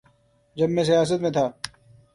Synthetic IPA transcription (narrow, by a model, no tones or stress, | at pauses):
d͡ʒɐbmẽs̬ɐjaːs̬ət̪mẽt̪ʰaː